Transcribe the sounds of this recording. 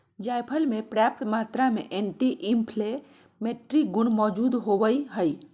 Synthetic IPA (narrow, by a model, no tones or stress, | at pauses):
d͡ʒajpʰəlmepɾap̚t̪mat̪ɾamḛʔenʈiʔimpʰle | meʈɾiɡʊnmɔd͡ʒud̪ɦoʋəiɦəj